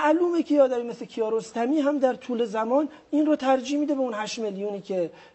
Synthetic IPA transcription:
mæʔluːmekʰejɒːd̪æmimeslecʰijɒːɾost̪ʰæmiːɦæmd̪æɾt̪ʰuːle̞zæmɒːn | inɾoːt̪ʰæɾd͡ʒiːhmiːd̪e̞beunhæʃmeljuːniːcʲʰe̞

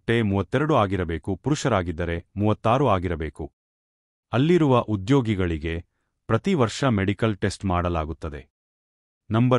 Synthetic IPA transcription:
ʈːe̞muːʋɐt̪ːɛɾɐɽuaːɡiɾɐbe̞ːkupuɾuʂɐɾaːɡid̪ːɐɾe̞muːʋɐt̪ːaːɾuaːɡiɾɐbe̞ːku | ɐlːiɾuʋɐʔud̪jo̞ːɡiɡɐɭiɡe̞ | pɾɐt̪iʋɐɾʂɐmeɽikɐlʈe̞sʈmaːɽɐlaːɡut̪ːɐd̪e̞ | nɐmbɐ

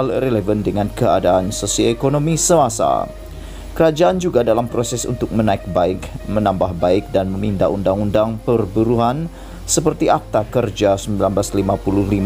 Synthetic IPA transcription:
alrelɛvəndəŋankəadaansosioekonomisəasa̰ | kəɾad͡ʒaand͡ʒuɡadalampɾosɛsṵnt̪ʊk̚mənaɪk̚baɪkmənambahbaɪk̚danməmindaundaŋundaŋpərbuɾuɦan | səpərt̪iʔap̚t̪akərd͡ʒasəmbilanblaslimapuluhlim

